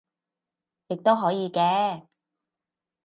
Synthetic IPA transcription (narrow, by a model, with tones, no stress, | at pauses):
jɪ˨k̚t̪o˥wɦɔː˨˥jiː˨˧kɛː˧˥